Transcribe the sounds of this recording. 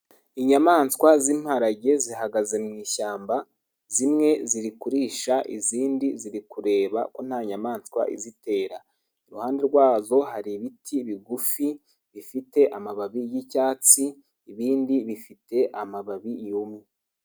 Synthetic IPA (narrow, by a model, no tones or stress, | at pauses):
iɲamaːnskwazim̥haɾaɟe̞ziɦaɡaze̞mŋiːʃaːmba | zimŋe̞ziɾikuɾiːʃaʔḭziːndiziɾikuɾe̞ːβa̰ko̞n̥haːɲamaːnskwa̰ʔḭzite̞ːɾa | iɾuhaːnde̞ɾɡwaːzo̞haɾiβitʰiβiɡufi | βifite̞ʔamaβaβijicaːt͡siː | βiːndiβifite̞ʔamaβaβijumi